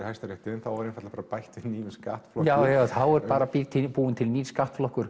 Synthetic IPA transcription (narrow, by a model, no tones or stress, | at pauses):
hajst̪aɾɛht̪ɪnθawvaɾjɛnfat̪lapaːɾapajht̪vɪniːvɪska̰ːht̪flɔjaːwjaθawɛɾpaːɾapit̪ʰɪpuːɪnt̪ʰɪlniːvskaːht̪flɔhkʏɾ̥